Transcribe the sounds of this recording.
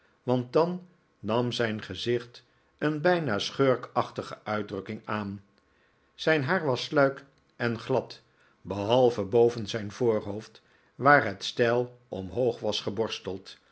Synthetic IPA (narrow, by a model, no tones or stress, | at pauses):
ʋɑnt̚dɑnː | ɑmzɛjnχəzɪχt | ənbɛjnaːsχøːɹkɑχtəχəʔœɥdrɵkɪŋaːn | z̥ɛjnɦaːɹʋɑslœɥk | ʔɛnχlɑt | bəɦɑlˠvəbowvənzɛjnvʊːɹɦowft | ʋaːɹɦətstɛlˠʔɔmɦowχʋɑsχəbɔɹstəlˠt